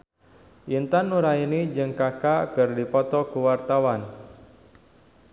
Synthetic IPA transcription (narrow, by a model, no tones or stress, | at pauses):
ʔint̪anːuɾainid͡ʒɨŋkakakɨrdipɔt̪ɔkuwart̪awan